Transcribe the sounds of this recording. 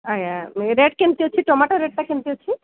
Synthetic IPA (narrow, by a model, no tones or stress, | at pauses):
ajaɾeʈkent̪iot͡ɕʰiʈɔmaʈɔɾeɖ̚ʈakemt̪iot͡ɕʰi